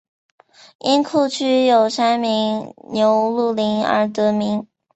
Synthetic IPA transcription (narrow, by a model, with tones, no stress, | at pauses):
i˥nkʰo˥˧ʊt͡ɕʰy˥jo˨˩ʊʂa˥nmi˧˥ŋnjo˧˥ʊlu˥˩li˧˥ŋə̰˧˥t̪ɤ˧˥mi˧˥ŋ